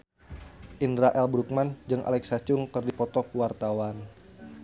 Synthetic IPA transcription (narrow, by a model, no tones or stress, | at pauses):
ʔindɾaʔɛlbɾuk̚mand͡ʒɨŋʔa̰lɛksat͡ʃʊŋkɨrdipɔt̪ɔkuwart̪awan